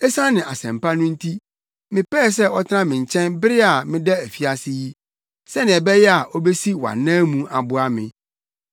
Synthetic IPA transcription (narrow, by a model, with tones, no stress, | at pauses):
ɛ˦sã˦nɪ̃˨a˨sɛ̃˨mpa˦nʊ̃˦n̩˦tʰi˦ | mɪ̃˨pɛː˦˨sɛ˦ɔ˦tʰɪ˦ã˦mɪ̃˨ɲ˨t͡ɕʰɛ̃˦nbɪ˦ɾɪ˦a˨mɪ̃˦dɛ˦æ˨fi˦a˦sɪ˦ji˦ | sɛ˦nɪ̃˨ɛ˨bɛ˦jɛ˦a˨ʔɔ˦be˦si˦wa̰˨nãː˦mũ˦a˨bʊ˦a˦mɪ̰̃˨